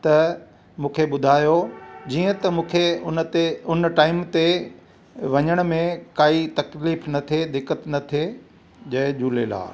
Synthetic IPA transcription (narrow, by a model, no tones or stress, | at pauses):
t̪ɐ | mũːkʰeɓʊd̪ʱaːjod͡ʑiːə̃t̪ɐmũːkʰeʊnt̪eʊnʈaːɪmt̪e | ʋɐɲəɽ̃mẽkaːit̪ɐkliːfnɐt̪ʰed̪ɪkːət̪nɐt̪ʰe | d͡ʑɐɦɪd͡ʑuːlela̰ː